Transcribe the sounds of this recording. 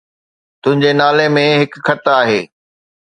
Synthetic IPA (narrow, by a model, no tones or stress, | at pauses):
t̪ʊ̃ɦɪ̃ɲd͡ʑenaːlemẽɦɪkkʰːɐt̪aːɦeː